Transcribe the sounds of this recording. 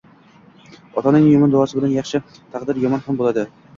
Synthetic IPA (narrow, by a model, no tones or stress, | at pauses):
ɒt̪ʰɒnɪŋjʊmʊnd̪ʊwɒsɪbɪlanjɑχʃɪ | t̪ʰɑqd̪ɪɾjɒmɒnhambolad̪ɪ